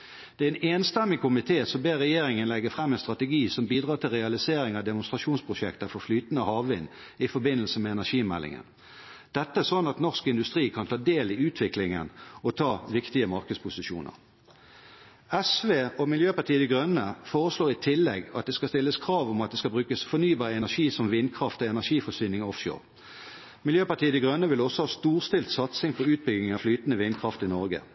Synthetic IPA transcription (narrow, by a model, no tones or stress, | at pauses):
d̪̥ɛæɛneːnst̪ɛmːɪkʰʊmɪt̪ʰeːsɔmbeːʁːɛjeːɾɪŋənlɛɡəfʁɛmːɛnst̪ʁɑt̪əɡiːsɔmbiːd̪ʁɑːt̪ʰɪlʁɛɑlɪseːɾɪŋɑd̪ɛmʊnst̪ʁɑʃuːnspʰʁʊʃɛkt̪əfɔflyːt̪ənəhɑːʋʋɪn | ɪfɔbɪnːəlsəmɛɛnæʂiːmɛ̰lːɪ̰ŋə̰n | d̪̥ɛt̪ːəæsɔnːɑt̪nɔʁskɪnd̪ʉst̪ʁiːkʰɑnt̪ʰɑːd̪eːlɪʉːt̪ʰʋɪklɪŋə̰nɔt̪ʰɑːʋɪkt̪ɪəmɑʁkəd̪spʊsɪʃṵːnə̰ʁ | ɛsʋeːɔmɪljøːpɑt̪iːəd̪ɛɡʁœnəfoːʁəsloːʁɪt̪ʰɪlːɛɡɑt̪̚d̪ɛskɑst̪ɪlːəskʰʁɑːʋʊmɑt̪̚d̪ɛskɑbʁʉːkəsfɔʁnyːbɑːʁəɛnæʃiːsɔmʋɪnkʰʁɑft̪ɔɛnæʁʂiːfɔsyːnɪŋɔfʃo̰ːʁ | mɪljøːpɑʁt̪iːəd̪ɛɡʁœnːəʋɪlɔsːɔhɑːst̪uːʁst̪ɪlt̪sɑt̪sɪŋpʰɔʉːt̪̚bʏɡɪŋɑflyːt̪n̩əʋɪnkʰʁɑft̪ɪnɔʁɡə̰